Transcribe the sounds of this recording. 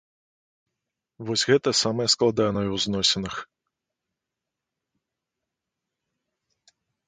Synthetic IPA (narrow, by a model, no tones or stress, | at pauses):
vɔsʲɣɛt̪ɐsamɐjɐsklˠad̪anəjɛwznɔsʲɪnɨx